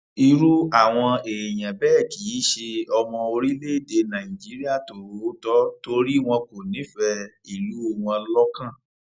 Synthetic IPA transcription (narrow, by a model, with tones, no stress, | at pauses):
i˧ɾu˦a˦˨w̃ɔ̃˧e˨j̃ã˨bɛː˦˨ki˨˦ʃe˧ɔ˧mɔ̃˧o˧ɾi˦le˦˨de˧nã˨ĩ˨d͡ʒi˨˦ɾi˦a˦˨to˨ɾo˨˦tɔ˦to˧ɾi˦w̃ɔ̃˧ko˨nĩ˨˦fɛ˧i˨lu˨˦o˦˨w̃ɔ̃˧lɔ˦kã˦˨